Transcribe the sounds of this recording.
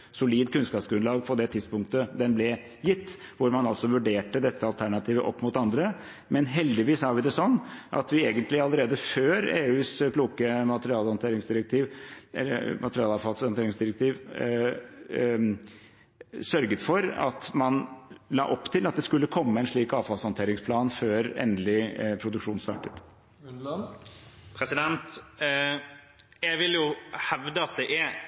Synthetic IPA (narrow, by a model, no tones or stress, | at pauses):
sʊliːd̪kʰʉnskɑːpsɡɾʉnlɑːɡpʰɔd̪ɛt̪ʰɪd̪spʊŋk̚t̪əd̪ɛnblɛ | jɪt̪ːʋʊɾmɑnɑlsɔʋʉɖeːʈəd̪ɛt̪ːəɑlt̪ʰæɳɑt̪ʰiːʋəʔɔpːmʊt̪ɑnd̪ɾə | mɛnɦɛld̪ɪʋiːshɑːʋɪd̪ɛsɔnːʔɑ̰t̪ʋɪeːɡənt̪lɪɑləɾeːd̪əføːɾeːʉːskʰluːkəmɑt̪əɾɪɑːlhɔnt̪ʰeːɾɪŋsd̪ɪɾək̚t̪ʰiːʋɛ̰ə̰mʔɑt̪əɾɪɑːlɑʋfɑlshɔnt̪eːɾɪŋsd̪ɪɾɛk̚t̪ʰiːʋ | sœɾɡət̪fɔɾɑ̰t̪mɑnlɑ̰ːʔɔpːt̪ʰɪlɑt̪̚d̪ɛskʉlːəkʰɔmːəɛnʂɭiːkɑːʋfɑlsɔnt̪ʰeːɾɪŋspʰlɑːnføːɾɛ̰nd̪lɪpʰɾʊd̪ʉkʂuːnst̪ɑ̰ːʈət̪ | pʰɾɛsɪd̪ɛnt̪ | jɛɪʋɪljʊhɛʋd̪əɑt̪̚d̪ɛʔæ